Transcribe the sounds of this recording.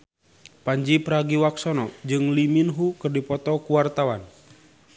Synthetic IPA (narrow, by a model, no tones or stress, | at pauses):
paɲd͡ʒipəɾaɡiwaksɔnɔd͡ʒɨŋliminɦukɨrdipɔt̪ɔkuwart̪awan